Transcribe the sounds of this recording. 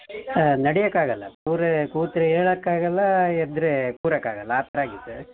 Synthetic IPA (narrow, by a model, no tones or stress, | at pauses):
nɐɽɛjɐkːaːɡɐlːɐpuːɾɐkuːt̪ɾɐeːɭɐkːaːɡɐlːɐɛd̪ɾɯpuːɾɐkːa̰ːɡɐlːɐːp̪ɐɾaːɡit̪ːu